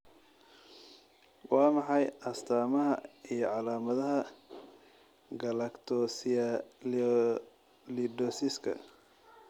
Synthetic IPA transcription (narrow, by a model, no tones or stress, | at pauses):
wɑːmɑħɑjɐst̪ʰaːmɐɦɐijɞʕɑlaːmɐðɐɦɐ | ɡɐlɐkt̪ʰɔs | lidɔsɪskʰɐ̰